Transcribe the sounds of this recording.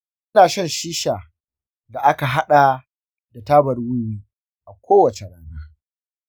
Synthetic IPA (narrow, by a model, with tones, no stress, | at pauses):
ʔɪ˦naː˨ʃɐ˦˨nʃiː˦ʃaː˨ | da˨ʔa˦ka˨ɦa˦ɗa˨ | da˨taː˦bɐ˨rwʊ˦jiː˦ | ʔa˨kʷʰoː˦wɐ˨t͡ʃe˨ɽaː˦naː˦